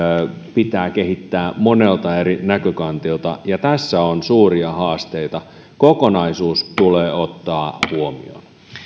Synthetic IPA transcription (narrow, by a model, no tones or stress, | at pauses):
pit̪æːkeɦit̪ːæːmonelt̪ɑeɾinækøkɑnt̪iolt̪ɑ̰jɑt̪æsːæonsuːɾiɑhɑːst̪eit̪ɑ | kokonɑisuːst̪uleːot̪ːɑːhuomḭo̰n